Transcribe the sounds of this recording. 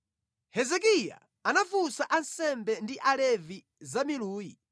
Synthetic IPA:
hɛzɛk̬ija̰ | anafusaʔansɛmbɛndiʔalɛvi | zamiluːji

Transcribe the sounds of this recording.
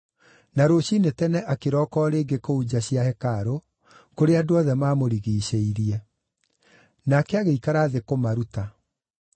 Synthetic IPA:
naɾoɕinetɛnɛʔakeɾɔːkɔːɾeːŋɡekoud͡ʑaɕiahɛkaɾo | koɾeadoɔðɛmaːmoɾiɣiːɕeiɾiɛ | nakɛaɣeikaɾaːðekomaɾuta

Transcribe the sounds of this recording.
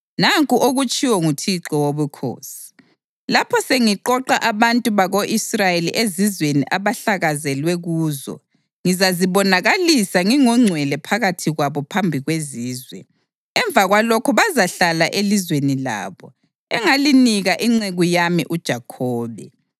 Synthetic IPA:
naŋkʼuʔoɣut͡ʃʼiwɔŋutʰiǁɔwoβukʰo̰ːsi̥ | lapʰɔseŋiǃɔǃaʔaβantʼuβaɣoʔisrajelḭʔezizwenḭʔaβaɬaɣazɛlwɛɣuːzɔ̰ | ŋizaziβɔnaɣalisaŋiŋɔŋ͡ǀʱwɛlɛpʰaɣatʰiɣwaβɔpʰambʱiɣweziːzwɛ̰ | ɛɱbvʱaɣwalɔkʰɔβazaɬalaʔelizwenila̰ːβɔ | ɛŋaliniɣaʔiŋ͡ǀeɣujamiʔud̥ʒ̥ʱakʰɔːβɛ̰

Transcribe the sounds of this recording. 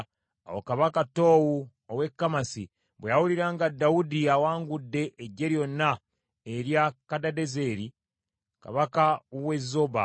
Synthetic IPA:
a̰wo̰kaβakato̞ːwu | owe̞kːamasḭ | βwejawuliɾaːŋɡadːawudiawaːŋɡudːe̞ʔeɟːe̞ɾjo̞nːa | eɾjakadade̞zeːɾi | ka̰βakawezːoba̰

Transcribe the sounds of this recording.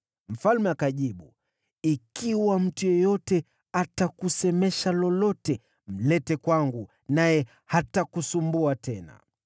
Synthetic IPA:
m̩falmɛakaʄiɓu | ikiwam̩tujɔjɔtɛ | atakusɛmɛʃalɔlɔtɛ | m̩lɛtɛkwaŋɡu | najɛ | hatakusumbuatɛna̰

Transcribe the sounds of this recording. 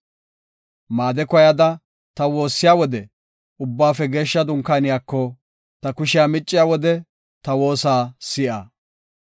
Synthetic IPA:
maːd̪ɛkɔjɐd̪ɐ | t̪ɐwo̞ːsːɪjaːwɔd̪ɛ | ʊbːaːfɛɡe̞ːʃːɐd̪ʊŋkːaːnɪjaːkːɔ | t̪ɐkʊʃɪjaːmɪt͡ʃʼːɪjaːwɔd̪ɛ | t̪ɐwo̞ːsaːsɪʔɐ̰

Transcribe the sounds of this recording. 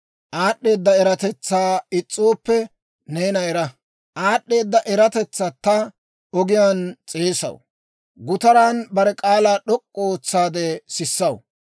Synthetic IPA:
ʔaːɗːe̞ːd̪ːɐɛɾɐt̪ɛt͡sːaːɪt͡sʼːoːpːɛ | neːnɐɛɾɐ | ʔaːɗːe̞ːd̪ːɐʔɛɾɐt̪ɛt͡sːat̪ɐ | ɔɡɪjaːnt͡sʼeːsɐ̰w | ɡʊt̪ɐɾaːnbɐɾɛkʼaːlaːɗɔkʼːɔoːt͡sːaːd̪ɛsɪsːɐw

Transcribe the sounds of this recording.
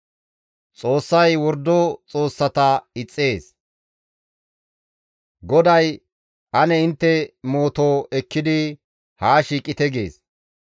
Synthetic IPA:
t͡sʼo̞ːsːɐjwɔɾd̪oːt͡sʼoːsːɐt̪ɐɪt͡sʼːe̞ːs | ɡɔd̪ɐj | ʔɐnɛɪnt̪ːɛmo̞ːt̪oːʔɛkːɪd̪ɪ | haːʃiːkʼɪt̪ɛɡḛːs

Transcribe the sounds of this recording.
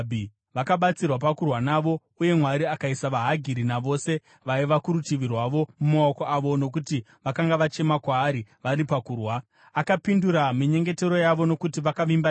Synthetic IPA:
bʱi | ʋakaɓat͡sirwapakurwanaʋo̞ | uje̞mwaɾiakaisaʋaɦaɡʱiɾinaʋo̞ːse̞ | ʋaiʋakuɾutiʋirwaʋo̞mumaokoaʋo̞no̞kuti | ʋakaŋɡaʋat͡ʃe̞makwaːɾiʋaɾipakuːrwa | akapinduɾamiɲe̞ŋɡe̞te̞ɾo̞jaʋo̞no̞kutiʋakaʋimba

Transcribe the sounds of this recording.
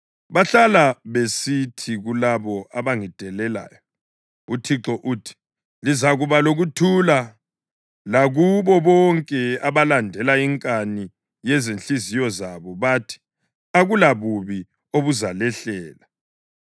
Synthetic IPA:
βaɬalaβesitʰiɣulaβɔaβaŋid̥ʱɛlɛla̰ːjɔ | utʰiǁɔʔuːtʰi̥ | lizaɣuβaloɣutʰula | laɣuβɔβɔŋkʼɛaβalandʱɛlaiŋkʼani | jɛzenɬizijɔzaβɔβatʰi̥ | aɣulaβuβi | oβuzalɛɬɛːla

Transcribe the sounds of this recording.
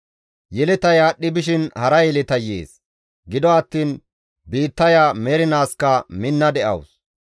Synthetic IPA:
jɛlɪt̪ɐjaːɗːɪbɪʃ̬ɪnhɐɾɐjɛlɪt̪ɐjḛːs | ɡɪd̪ɔɐt̪ːiːn | biːt̪ːɐjaːmɛɾɪnaːskːɐmɪnːɐd̪ɛʔɐ̰ws

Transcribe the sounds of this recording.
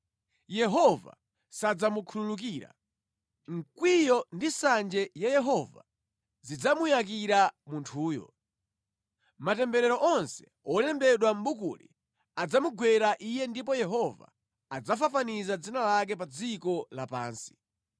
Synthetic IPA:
jɛɦɔva̰ | sad͡zamukʰululuk̬iːɾa̰ | ŋ̩kwijɔndisand͡ʒɛjajɛɦɔva̰ | zid͡zamujak̬iɾamuntʰuːjɔ̰ | matɛmbɛɾɛɾɔʔɔnsɛ̥ | ɔtɛmbɛɗwam̩ɓukṵlḭ | ad͡zamuɡwɛɾaʔijɛndipɔjɛɦɔva̰ | ad͡zafafanizad͡zinalak̬ɛp̬ad͡zikɔlapa̰ːnsi̥

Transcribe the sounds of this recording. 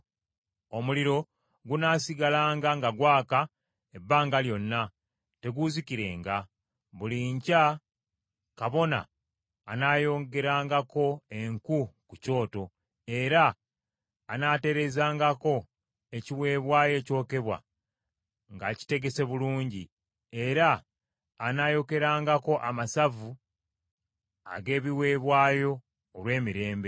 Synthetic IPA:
o̞muliɾo̞ | ɡunaːsiɡalaːŋɡaŋɡaɡwaːka | e̞bːaːŋɡaljo̞nːa | te̞ɡuziciɾe̞̰ːŋɡa | βuliɲca | kaβo̞na̰ː | naːjo̞ːŋɡe̞ɾaːŋɡako̞e̞ŋkukuco̞ːto̞ | e̞ɾaː | nate̞ɾe̞zaːŋɡako̞ | e̞ciwe̞ːβwaːje̞ːco̞ːke̞βwa̰ | ŋɡaci̥te̞ɡe̞se̞βuluːɲɟi | e̞ɾaː | najo̞ke̞ɾaːŋɡako̞ʔamasavu | a̰ɡe̞ːβiwe̞ːβwaːjo̞ː | lwe̞ːmiɾe̞ːmbe̞

